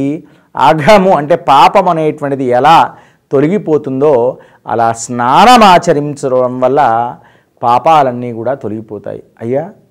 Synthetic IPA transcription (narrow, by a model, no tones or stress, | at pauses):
i | a̰ːɡʱamuɐɳʈe̞ːpaːpɐmɐneːʈʋɐɳʈid̪iɛlaː | t̪o̞liɡipoːt̪und̪oː | ɐ̰laːsnaːnɐmaːt͡ʃɐɾiɲt͡ʃɐɐɐmʋɐlːɐ | paːpaːlɐnːiːkuːɽaːt̪oliɡipɔːt̪a̰ːjḭɐjːaː